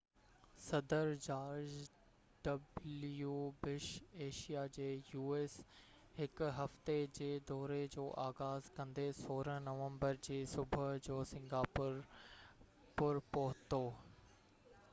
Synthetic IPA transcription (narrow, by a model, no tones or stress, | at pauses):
sɐd̪əɾd͡ʑaːɾd͡ʑ | ɖɐbljuːbɪʃeːʃijad͡ʑeːjuːeːs | hɪkʊɦɐft̪ed͡ʑeːd̪ɔːɾed͡ʑoːʔaːɣaːzkɐ̃nd̪esoːɾənɐʋə̃mbəɾd͡ʑeːsʊbʱəd͡ʑoːsɪ̃ŋɡaːpʊɾ | pʊɾpɐɦʊt̪oː